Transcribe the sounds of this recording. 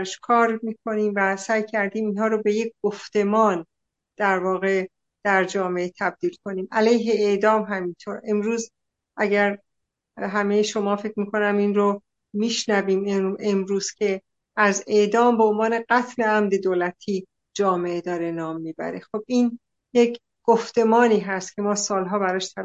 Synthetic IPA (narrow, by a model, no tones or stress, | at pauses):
ɾʃkʰɒːɾmiːkʰo̞niːmvæsæːjcʰæɾd̪iːminɦɒːɾobe̞je̞c̚ʰɡ̥oft̪e̞mɒːn | d̪̥æɾvɒːɣe̞ | d̪̥æɾd͡ʒɒːme̞et̪ʰæb̚d̪̥iːlkʰo̞niːmʔælæjɦe̞ed̪ɒːmɦæmint̪ʰoːɾe̞mɾuːz | ʔæɟæɾ | ɦæme̞jeʃo̞mɒːfe̞cʰɾmiːkʰo̞næminɾo | miːʃnæviːme̞mɾuːz̥cʲʰe̞ | æze̞ʔd̪ɒːmbeonvɒːne̞ɢæt̪ʰne̞æmd̪e̞d̪oːlæt̪ʰiː | d͡ʒɒːme̞ed̪ɒːɾenɒːmːiːbæ̰ɾexob̚iːn | jecʰ | ɡ̥oft̪e̞mɒːniːɦæst̪cʰʲe̞mɒːsɒːlɦɒːbæɾɒːʃt̪ʰæ